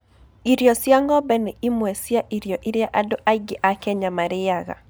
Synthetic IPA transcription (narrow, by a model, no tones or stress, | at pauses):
iɾjɔsjaŋɡɔbɛnɛimwɛsjaʔiɾjoʔiɾjaʔadʊʔaɡɪʔakɛɲamaɾɪjaɡa̰